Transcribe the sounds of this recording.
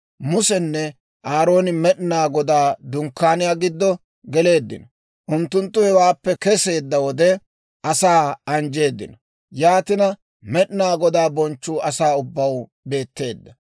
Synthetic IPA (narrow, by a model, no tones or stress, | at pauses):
mʊsɛnːɛ | ʔaːɾo̞ːnɪmɛɗnaːɡɔd̪aːd̪ʊŋkːaːnɪjaːɡɪd̪ːɔ | ɡɛle̞ːd̪ːɪ̰nɔ | ʔʊnt̪ːʊnt̪ːʊhɛwaːpːɛkɛse̞ːd̪ːɐwɔd̪ɛ | ʔɐsaːɐnd͡ʒe̞ːd̪ːɪ̰nɔ | jaːt̪ɪnɐ | mɛɗɪnaːɡɔd̪aːbɔnt͡ʃːuːɐsaːʊbːɐw | be̞ːt̪ːe̞ːd̪ːɐ